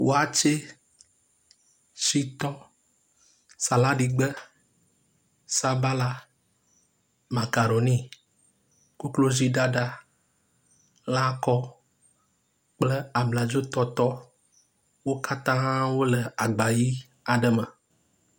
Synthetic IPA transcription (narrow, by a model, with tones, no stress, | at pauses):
wʔo˦a˨t͡ʃe˦ | si˦t̪ɔ˦ | sa˨la˦ɖi˨ɡ͡bə˦ | sa˦ba˦la˨ | ma˨ka˨ɖo˨nĩ˦˨ | ku˦klo˦zi˦ɖa˦ɖa˦ | la˦kɔ˦ | k͡plə˦a˨mla˨d͡ʒo˦t̪ɔ˦t̪ɔ˦ | wo˦ka˦t̪ã˦wo˦lə˨a˨ɡ͡ba˨ji˦ | a˨ɖə˦mã˨